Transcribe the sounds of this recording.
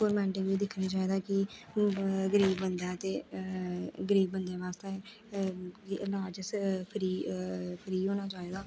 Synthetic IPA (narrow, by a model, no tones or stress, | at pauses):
koːɾmɛ̃ːɳʈẽːʋiːd̪ɪkʰnaːt͡ʃaːiːd̪aːkɪ | ɡəɾiːbːənd̪ãːt̪eː | ɡəɾiːbːənd̪ãːʋaːst̪eː | klaːd͡ʒəspʰəɾiːpʰəɾiːɦoːnaːt͡ʃaːeːɡ̪aː